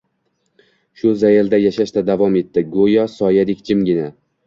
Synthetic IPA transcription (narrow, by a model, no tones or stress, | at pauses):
ʃʊzajald̪ajaʃaʃt̪ad̪avɒme̞t̪ʰːɪɡojɒsɒjad̪ɪkʲd͡ʒɪmɡʲɪna